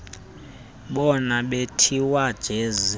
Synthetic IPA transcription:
ɓɔnaɓetʰiwad̥ʒ̥ʱeːzi

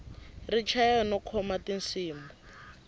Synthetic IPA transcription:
rit͡ʃʰajɔnɔkʰɔmatinsiːmbɔ

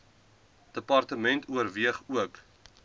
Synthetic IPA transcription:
d̥əpɐrtəmɛntʰuərviəχuək

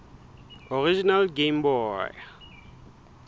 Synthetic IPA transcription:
ɔɾid͡ʒinalɡembɔja̰

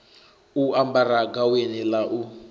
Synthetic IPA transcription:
uambaɾaɡawenilaʔu

